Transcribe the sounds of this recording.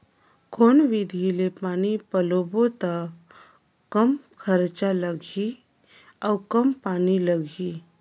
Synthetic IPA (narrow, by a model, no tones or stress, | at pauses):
kʰoːnʋid̪ʱilepaːnipəlobot̪a | kəmkʰəɾt͡ʃaləɡʱi | awkəmpaːniləɡʱi